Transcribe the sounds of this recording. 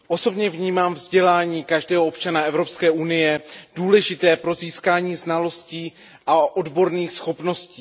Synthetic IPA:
ʔo̞so̞bɲɛvɲiːmaːmvzɟɛlaːɲiːkaʒdɛːɦoʔopt͡ʃanaɛvɾo̞pskɛːʔunɪjɛd̥uːlɛʒɪt̪ɛːpɾo̞ziːskaːɲiːznalo̞sciː | ʔaʔodbo̞ɾniːxsxo̞pno̞sciː

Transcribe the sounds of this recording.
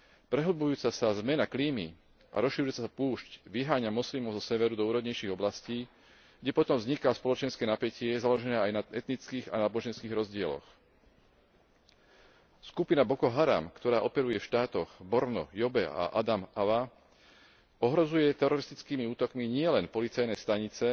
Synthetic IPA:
pɾɛɦlbujuːt͡sasazmɛnakliːmi | ʔa̰ɾɔsʃiɾuɛsasapuːʃcʋiɦaːɲamɔslimɔʊzɔsɛʋɛɾud̪ɔuːɾɔd̪ɲɛjʃiːɣɔblasciː | ɡɟɛpɔt̪ɔmvzɲikaspɔlɔt͡ʃɛnskɛːnapɛcɪɛzalɔʒɛnɛːajnaɛt̪nit͡skiːɣa̰naːbɔʒɛnskiːɣɾɔzɟɪɛlɔ̰x | skupinabɔkɔɦaɾa̰mkt̪ɔɾaːʔɔpɛɾujɛfʃt̪aːt̪ɔɣbɔɾnɔ̰jɔbɛa̰ʔa̰d̪amaʋa | ɔɦɾɔzujɛt̪ɛɾɔɾist̪it͡skiːmiuːt̪ɔkmiɲɪɛlɛnpɔlit͡sajnɛst̪aɲit͡sɛ

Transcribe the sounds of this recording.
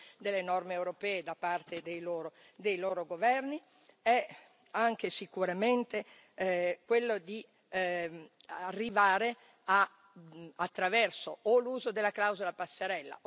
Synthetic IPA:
d̪elːenɔrmeewɾopɛːed̪apart̪ed̪ejloːɾo | d̪ejloːɾoɡovɛrni | ɛ | aŋkesikuɾament̪e | kwelːod̪i | arːivaːɾe | a | at̪ːɾavɛrsooluːzod̪elːaklawzolapasːeɾɛlːa̰

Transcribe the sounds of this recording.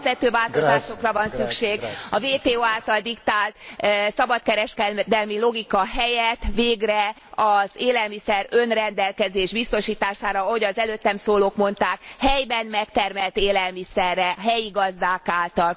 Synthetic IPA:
pvɛt̪øːvaːlt̪ozaːʃo̞krɒvɒnsykʃeːɡɒveːt̪eːoːaːlt̪ɒld̪ikt̪aːlt̪sɒbɒt̪kɛɾɛʃkɛd̪ɛlmilo̞ɡikɒɦɛjɛt̪veːɡrɛ | ɒzeːlɛlmisɛɾønrɛnd̪ɛlkɛzeːʒbist̪o̞ʃiːt̪aːʃaːɾɒɒɦo̞ɟɒzɛløːt̪ːɛmsoːloːkmo̞n̪t̪aːkhɛjbɛnmɛkt̪ɛrmɛlt̪eːlɛlmisɛrːɛɦɛjiɡɒzd̪aːkaːlt̪ɒl

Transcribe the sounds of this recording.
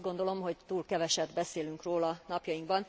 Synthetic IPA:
ɡo̞nd̪o̞lo̞mɦo̞ɟt̪uːlkɛvɛʃɛb̪bɛseːlyŋkroːlɒnɒpjɒjiŋɡbɒn

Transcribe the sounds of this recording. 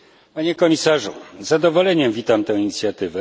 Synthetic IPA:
paɲɛkɔmʲisaʐuzad̪ɔvɔlɛɲɛmvʲit̪amt̪ɛ̃w̃iɲit̪sʲjat̪ɘvɛ

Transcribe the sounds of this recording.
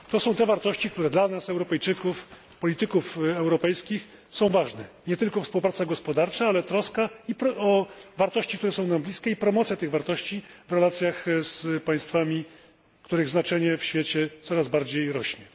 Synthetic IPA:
t̪ɔsɔ̃w̃t̪ɛvaɾt̪ɔɕt͡ɕik̚t̪uɾɛd̪lanasɛwɾɔpɛjt͡ʂɘkuf | pɔlʲit̪ɘkufɛwɾɔpɛjskʲix | sɔ̃w̃vaʐnɛɲɛt̪ɘlkɔfspuwpɾat̪saɡɔspɔd̪aɾt͡ʂaalɛt̪ɾɔskaipɾɔvaɾt̪ɔɕt͡ɕikt̪uɾɛsɔ̃w̃namblʲiskʲɛipɾɔmɔt̪sʲjat̪ɘɣvaɾt̪ɔɕt͡ɕivɾɛlat̪sʲjaxspaj̃st̪famʲi | kt̪uɾɘɣznat͡ʂɛɲɛfɕfʲjet͡ɕɛt̪sɔɾazbaɾd͡ʑejɾɔɕɲɛ

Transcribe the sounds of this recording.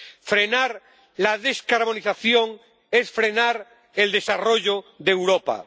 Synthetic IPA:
fɾe̞naɾ | laðe̞skaɾβo̞niθaθjo̞ŋ | e̞sfɾe̞naɾ | e̞ld̪e̞saroʝoðewɾopa̰

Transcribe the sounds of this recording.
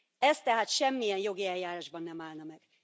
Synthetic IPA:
ɛst̪ːɛɦaːt̪ʃɛmːijɛnjo̞ɡiɛljaːɾaːʒbɒnːɛmaːlnɒmɛɡ̥

